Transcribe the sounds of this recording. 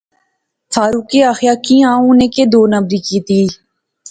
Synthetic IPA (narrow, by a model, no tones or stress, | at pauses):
fʰaːɾuːkiːaːxɪjaːkĩːãːũneːkeːd̪oːnəbɾiːkiːt̪iː